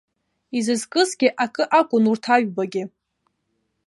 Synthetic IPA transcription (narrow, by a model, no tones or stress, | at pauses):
izɨzkʼɨzɡʲɪʔakʼɨʔakʷʼʊnurtʰaɥbaɡʲɪ